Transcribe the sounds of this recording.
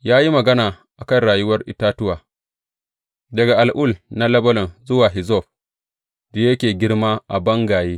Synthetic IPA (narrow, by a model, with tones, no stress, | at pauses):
jaː˦ji˦mɐ˨ɡɐ˦naː˨ | ʔa˨kɐ˦˨nɽaː˨jʊ˦wɐ˦rʔɪ̰˨taː˦tʊ˦waː˨ | dɐ˨ɡa˨ʔa˨lʔʊ˦˨lna˦lɐ˦bɐ˦lɔ˨nzʊ˦waː˨ɦɪ˨zɔ˦˨ɸ | da˨jɐ˦kʲeː˨ɡʲɪ˦ɽmaː˦ʔa˨bɐ˦ŋɡaː˨jeː˦